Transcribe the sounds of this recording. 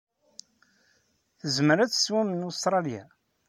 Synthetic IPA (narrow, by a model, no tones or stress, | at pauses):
θəzməɾæt͡sːswæmənust̪ɾˤɑlja̰